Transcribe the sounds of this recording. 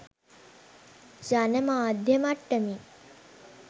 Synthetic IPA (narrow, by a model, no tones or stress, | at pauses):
d͡ʒanemaːd̪ʱjɐmaʈːəmi